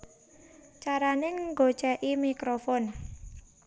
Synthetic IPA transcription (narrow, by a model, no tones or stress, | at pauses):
t͡ʃaɾanɪŋɡot͡ʃɛʔimikɾofɔn